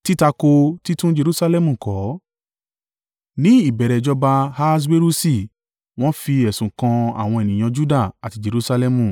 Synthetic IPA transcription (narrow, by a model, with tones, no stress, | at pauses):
ti˦ta˧ko˧ti˦tũ˦d͡ʒe˧ɾu˧sa˧lɛ˦mũ˨kɔ˨˦ | nĩ˦i˦˨bɛ˨ɾɛ˨d͡ʒɔ˧˦ba˧ha˦˧s̬we˦ɾu˦si˦˨ | w̃ɔ̃˦fi˧ɛ˨sũ˨kã˧a̰˨w̃ɔ̃˧e˨nĩ˨j̃ã˧d͡ʒu˦da˦˨a˨ti˧d͡ʒe˨ɾu˧sa˧lɛ˧mũ˨